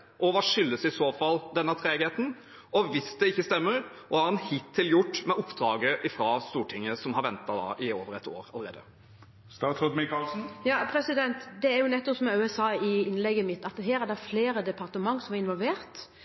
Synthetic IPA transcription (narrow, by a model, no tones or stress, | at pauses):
ʔɔʋɑʂʏlːəsɪsoːfɑld̪ɛnːət̪ʰɾeːɡheːt̪n̩ | ɔʋɪsd̪ɛɪçːəst̪ɛmːəɾʔɔhɑɾɛnhɪt̪ʰːɪljʊʈːmɛʔʊpːd̪ɾɑːɡəʔɪfɾɑst̪uːʈʰɪŋːəsɔmhɑɾʋɛnt̪ɑd̪ɑ̰ʔɪoːʋəɾɛt̪o̰ːɾɑləɾḛːd̪ə | st̪ɑːt̪ʰɔd̪mɪkɑlsn̩jɑːpʰɾɛsɪd̪ɛnt̪d̪ɛæɾjʊnɛt̪ːɔpsɔmɛʉɛsɑːɪɪnlɛɡəmɪt̪ːɑt̪ɦeːɾæd̪ɛfleːɾəd̪ɛpɑɾt̪əmɑŋːsɔmɑɾɪnʋɔlʋeːɾt̪